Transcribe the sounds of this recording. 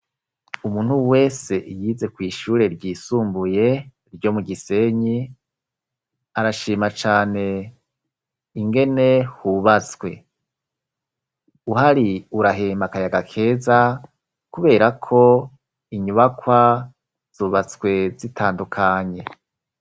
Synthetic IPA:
umuːn̥huwe̞ːse̞jiːze̞kwiːʃuːɾe̞ɾɟiːsuːmbuje̞ | ɾɟo̞muɡise̞ɲi | aɾaʃiːmat͡ʃaːne̞ | iŋɡe̞ne̞huβat͡skwe̞ | uɦaɾiuɾaɦeːmakajaɡakʰe̞ːza | kuβe̞ːɾakʰo̞ | iɲuβakwa | z̥uːβat͡swe̞zitʰaːndukʰaɲe̞

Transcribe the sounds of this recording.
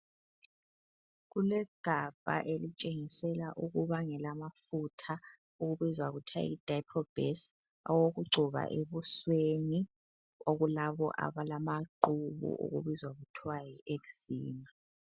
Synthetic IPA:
ɣulɛɡ̥ʱab̥ʱa̰ʔelit͡ʃʼeŋisɛlaʔuɣuβaŋɛlamafutʰa | oɣuβizwaɣutʰa̰id̥ʱaipʰɔb̥ʱɛs | ɔwoɣuɡ͡ǀʱuβa̰ʔeβusweni | oɣulaβɔ̰ʔa̰βalamaǃuβṵʔo̰ɣṵβizwaɣutʰwajɔʔeɣuz̥iːma

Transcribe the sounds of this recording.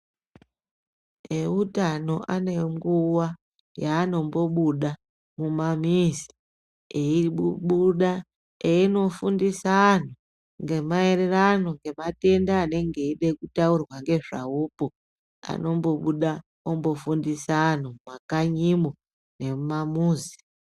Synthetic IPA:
eutano̞ʔane̞ŋɡuwa | jaːno̞mbo̞ɓuɗa | mumamisi̥ | eiuɓuɗa | eino̞fundisan̤o | ŋɡe̞mae̞reranoŋɡe̞mate̞ndaːne̞ŋɡe̞iɗekutaurwaŋɡe̞ʐa̰upo | a̰no̞mbo̞ɓuɗa | ombo̞fundisanomakaɲimo | ne̞mamuːzi̥

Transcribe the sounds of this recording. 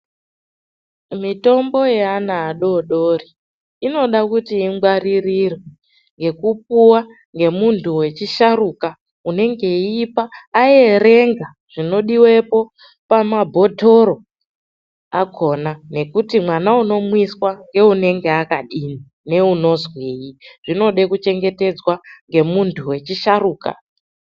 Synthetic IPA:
mito̞mbo̞jeanaːɗo̞ɗoriː | no̞ɗakutiːŋɡwaririrwe | ŋɡe̞kup̚uwa | ŋɡe̞muntʰuwe̞t͡ʃiʃaruka | une̞ŋɡe̞ipaːeɾe̞ŋɡa | ʐ̥ino̞ɗiwe̞po̞ | pamabʱo̞tʰo̞ɾo̞ | akʰo̞nane̞kutimwanauno̞mwiswaŋɡe̞une̞ŋɡeakaɗiːni | ne̞uno̞zweːjiʐ̥ino̞ɗekut͡ʃe̞ŋɡe̞te̞d͡zwaŋɡe̞muntʰuwe̞t͡ʃiʃaɾuːka̰

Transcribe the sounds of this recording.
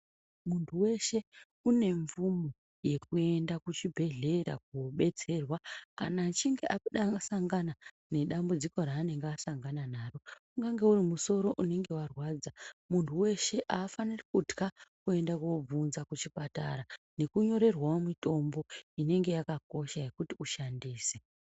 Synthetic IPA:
muntʰuwe̞ʃe̞ | une̞ɱvumo | je̞k̚ue̞ndakut͡ʃibʱe̞ɮe̞ɾa̰k̚uoɓe̞t͡se̞rwakanat͡ʃiŋɡe̞ʔakuɗakasaŋɡana | ne̞ɗambud͡ziko̞ɾaːne̞ŋɡeasaŋɡananaːro̞ | uŋɡaŋɡe̞urimuso̞ɾo̞ʔune̞ŋɡe̞warwad͡zamuntʰuwe̞ʃe̞ʔaːfanirakutkakue̞ndakob͡vunzakut͡ʃipata̰ɾane̞kuɲo̞ɾe̞rwaomito̞mbo̞ine̞ŋɡe̞jakako̞ʃaje̞kutiuʃandiːse

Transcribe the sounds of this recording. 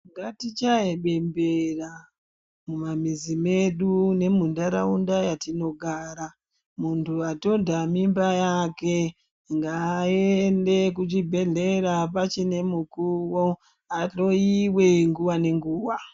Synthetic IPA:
ŋɡatit͡ʃaeɓe̞mbera | mumamizime̞ɗune̞mundaɾa̰undajatino̞ɡʱaɾa | muntʰuato̞ndamimbajake̞ | ŋɡaende̞k̬ut͡ʃibʱe̞ɮe̞ɾapat͡ʃine̞mukuwo | aɬo̞iwe̞ŋɡuwane̞ŋɡuːwa

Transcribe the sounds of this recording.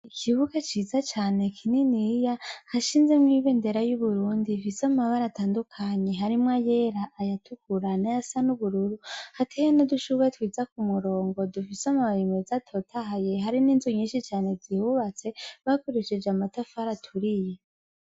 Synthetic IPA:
ikʰiβuɡat͡ʃiːzat͡ʃaːne̞kʰininijahaʃiːnzemŋiːβe̞nde̞ɾajuβuɾuːndifisamaβaɾataːndukʰaɲe̞ɦaɾimŋajeɾaʔːjatʰukuɾanajasanuβuɾuɾuhatʰehenoduʃuβetwiːzakumuɾo̞ːŋɡo̞dufisamaβɾimezatʰo̞tʰaɦaje̞haɾininzuɲiːnʃit͡ʃaːne̞zihuβat͡se̞βakoɾeʃed͡ʒeamatafaɾatʰuɾije

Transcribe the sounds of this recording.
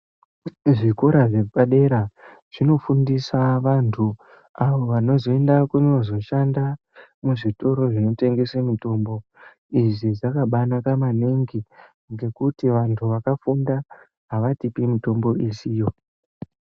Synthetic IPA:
ʐikoɾaʐepaɗe̞ɾa | ʐ̥ino̞fundisaʋantʰu | aʋo̞ʋano̞zo̞e̞ndakuno̞zo̞ʃanda | muʐito̞ɾo̞ʐino̞te̞ŋɡe̞semito̞mbo̞ | iʐiʐakaɓanakamaneŋɡi | ŋɡe̞kutiʋantʰuʋakafunda | ɦaʋatipimito̞mbo̞isijo̞

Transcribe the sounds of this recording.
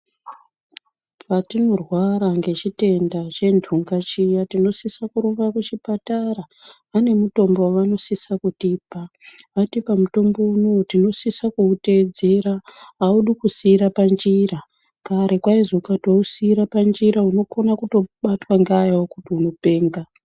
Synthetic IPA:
patino̞rwaɾaŋɡe̞t͡ʃite̞ndat͡ʃe̞ndʰʱuŋɡat͡ʃijatino̞sisakuɾuʋakut͡ʃipataɾaː | ne̞muto̞mbowaʋano̞sisakutiːpaʋatipamuto̞mbo̞unotino̞sisakuute̞d͡ze̞ɾaauɗukusiːɾapand͡ʒira | kaɾʔe̞kwaizoukatwousiːɾapand͡ʒiɾauno̞konakuto̞ɓatwaŋɡajawokutiuno̞pe̞ːŋɡa

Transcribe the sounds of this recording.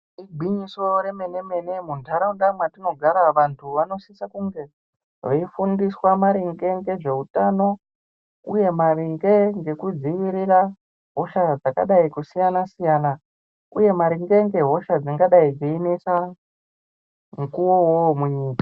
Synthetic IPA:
iɡʱiɲiso̞ɾe̞me̞ne̞me̞ne̞mundʰʱaɾaundamwatino̞ɡʱaɾaʋantʰuʋano̞sisakuŋɡe̞ | ʋeifundiswamaɾiŋɡe̞ŋɡe̞ʐe̞utano̞ | uje̞mariŋɡe̞ŋɡe̞kud͡ziʋiɾira | ɦo̞ʃad͡zaka̰ɗaikusijanasijaːna | uje̞maɾiŋɡe̞ŋɡe̞ɦo̞ʃad͡ziŋɡaɗaid͡ziinisa | mŋkuwowomuɲiːkḁ

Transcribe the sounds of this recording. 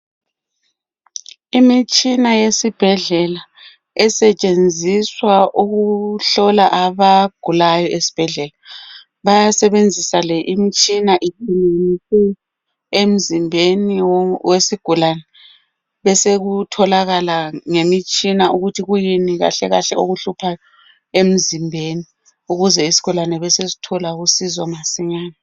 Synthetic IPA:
imit͡ʃʼinajesib̥ʱɛɮɛla | ɛsɛt͡ʃʼend͡zʱiswaʔuɣuɬɔlaʔaβaɡ̥ʱulajɔʔesi̥b̥ʱɛɮɛla | βajasɛβend͡zʱisalɛʔimit͡ʃʼinaʔitʰiniisɛ | em̩zimbʱeniwesiɡ̥ʱulanɛ | βɛseɣutʰɔlaɣalaŋemit͡ʃʼinaʔuɣutʰiɣujiniɣa̰ɬɛɣaɬɛoɣuɬupʰajɔ | em̩zimbʱeni | uɣuzɛisi̥ɣulanɛβɛsezi̥tʰɔlaɣusizɔmasiɲaːna

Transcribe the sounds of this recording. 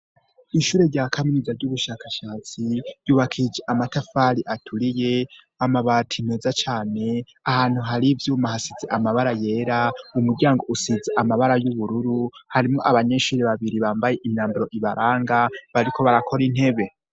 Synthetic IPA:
iʃuːɾe̞ɾɟaːkʰaminizaɾɟuβuʃakaʃaːt͡sij̥uːβakʰid͡ʒeʔamatafaɾiʔatʰuɾije̞ | amaβatʰineːzat͡ʃaːne̞ | ahaːn̥huɦaɾivjuːmahasizeʔamaβaɾaje̞ːɾaumuɾɟaːŋɡo̞ʔusizeʔamaβaɾajuβuɾuɾuhaɾimŋo̞ʔaβaɲe̞ʃuːɾeβaβiɾiβaːmbaje̞ʔimɲaːmbiɾo̞ʔiβaɾʔaːŋɡaβaɾikʰo̞βaɾakʰo̞ɾin̥he̞βe̞

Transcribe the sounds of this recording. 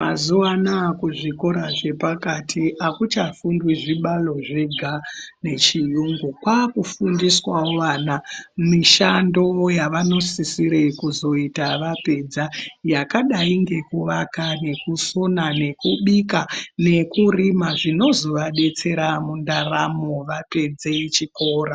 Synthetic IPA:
mazuanaːkuʐiko̞ɾaʐe̞pakatʰiʔakut͡ʃafundwiʐiɓalo̞ʐe̞ɡʱane̞t͡ʃijuŋɡukwakufundiswawoʋaːnamiʃando̞jaʋano̞sisiɾekuzo̞itaʋape̞d͡zajakaɗaiŋɡe̞kuʋakane̞kusonane̞kuɓikane̞kurimaʐino̞zo̞ʋaɗe̞t͡se̞ɾamundaramo̞ʋape̞d͡zeit͡ʃikoːɾa

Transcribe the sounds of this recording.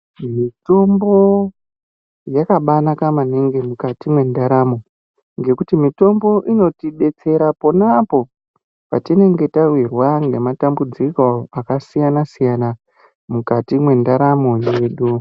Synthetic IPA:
mito̞mbo̞ | jakaɓanakamaneŋɡemukatimwe̞ndaɾamo̞ | ŋɡe̞kutimito̞mbo̞ʔino̞tiɓe̞t͡se̞ɾaponapo̞ | pa̰tine̞ŋɡe̞tawirwaŋɡe̞matambud͡ziko̞akasijanasijana | mukatimwe̞ndaɾamo̞je̞ːɗu

